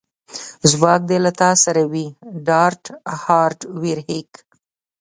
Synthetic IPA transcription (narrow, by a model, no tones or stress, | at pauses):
zwɑk̚d̪elat̪ɑsaɾawiɖɑɾʈhɑɾʈwiɾhek